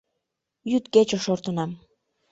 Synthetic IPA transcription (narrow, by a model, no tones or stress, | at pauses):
jyt̪ket͡ɕoʃort̪ə̆nɑm